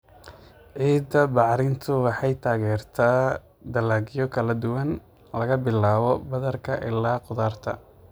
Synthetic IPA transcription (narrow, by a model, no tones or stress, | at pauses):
ʕiːd̪ːɐbɑʕɾɪnt̪ʰʊwɑħɑjt̪ʰaːɣɛːrt̪ʰaː | d̪ɐlaːɡjɔkʰɐlɐd̪ʊwɐn | lɐɣɐbɪlːaːβɔbɐðɐrkʰɐʔɪ̰lːaːqʊðaːrt̪ʰɐ̰